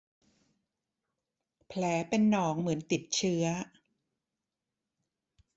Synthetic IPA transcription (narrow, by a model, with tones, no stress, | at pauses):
pʰlɛː˩˦pe˧nːɔː˩˦ŋmɯ˩˦ənt̪i˨˩t̪̚t͡ɕʰɯ˦˥ɐ